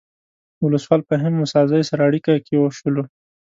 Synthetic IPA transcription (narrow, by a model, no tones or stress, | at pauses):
wʊləswɑlpəɦɪmːʊsɑzajsaɾaːɽikakewoʃəlo